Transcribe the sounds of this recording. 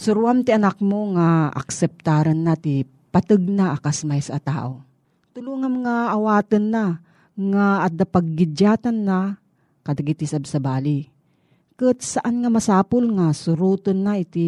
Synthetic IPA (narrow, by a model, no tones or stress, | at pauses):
sʊɾuamt̪iɐnak̚moŋaʔa̰ksɛp̚t̪aːɾɐnːat̪ɪ | pɐt̪ɨɡ̚naʔːkasmajsat̪a̰ːʔo | t̪ʊluŋamɐŋaːwaːt̪ɨnːa | ŋaːd̪apaɡ̚ːɪd͡ʒaːt̪anːa | kɐd̪aɡit̪isabsɐbaːli | kɨt̪saʔanŋamɐsaːpʊlŋasʊɾuːt̪onːaʔɪt̪i